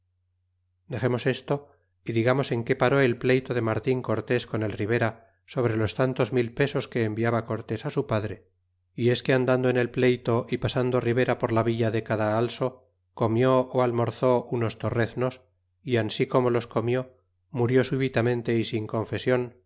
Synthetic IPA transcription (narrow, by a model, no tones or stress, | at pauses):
d̪e̞χe̞mo̞se̞st̪o̞ | iðiɣamo̞se̞ŋke̞paɾo̞e̞lple̞jt̪o̞ðe̞maɾt̪iŋko̞ɾt̪e̞sko̞ne̞lriβ̞e̞ɾa | so̞β̞ɾe̞lo̞st̪ant̪o̞zmilpe̞so̞ske̞ːmbiaβako̞ɾt̪e̞sasupaðɾe̞ | ie̞ske̞and̪and̪oene̞lple̞jt̪o̞ʔipasand̪oriβ̞e̞ɾapo̞ɾlaβiʎaðe̞kaðaalso̞ | ko̞mjo̞oalmo̞ɾθo̞ʔuno̞st̪o̞re̞θno̞s | iansiko̞mo̞lo̞sko̞mjo̞ | muɾjo̞suβit̪amẽ̞nt̪e̞isiŋko̞ɱfe̞sjo̞n